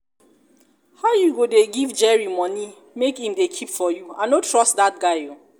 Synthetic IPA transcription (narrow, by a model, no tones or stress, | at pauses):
haʊjuɡodeɡivd͡ʒɛɹimɔni | mekhĩmdekʰipfɔjuãnotʰɹɔstdat̚ɡaɪo